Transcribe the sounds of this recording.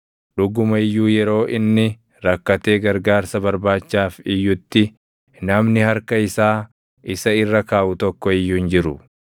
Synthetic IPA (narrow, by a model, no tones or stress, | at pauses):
ᶑʊɡʊmɐɪjːuːjɛɾo̞ːʔɪnːɪ | ɾɐkːɐt̪e̞ːɡɐɾɡaːɾsɐbɐɾbaːt͡ʃːaːfɪjːʊt̪ːɪ | nɐmnɪhɐɾkɐɪsaː | ʔɪsɐɪrːɐkaːʔʊt̪ɔkːɔɪjːuːnd͡ʒɪɾʊ